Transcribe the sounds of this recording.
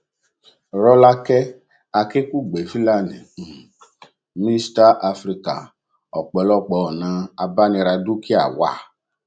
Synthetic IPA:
ɾɔ˧la˧kɛ˦ | a˧ke˦ku˦˨ɡ͡be˨fi˦la˦˨nɛ̃˨ | mĩ˦sta˦ʔa˧fɾi˦ka̰˨ | ɔ˨k͡pɛ˨˦lɔ˦˨k͡pɛ˨˧˦ɔ˨nã˨˧a˧ba˦nĩ˧ɾa˧du˦ki˦a˦˨wa̰˦˨

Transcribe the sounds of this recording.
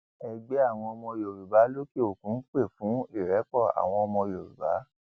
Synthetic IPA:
ɛ˧ɡ͡be˦a˦˨w̃ɔ̃˧ɔ˧mɔ̃˧jo˨ɾu˨ba˨˦lo˦ke˦o˨kũ˨˦n̩˦k͡pe˦˨fũ˨˦i˦˨ɾɛ˨˦k͡pɔ˦˨a̰˨w̃ɔ̃˧ɔ˧mɔ̃˧jo˨ɾṵ˨ba˨˦

